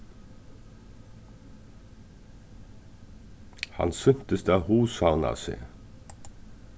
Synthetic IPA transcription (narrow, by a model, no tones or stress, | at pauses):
hɑ̰nsʏnt̪əst̪əɑːhuːshɑʊnɑ̰ːsɪ̰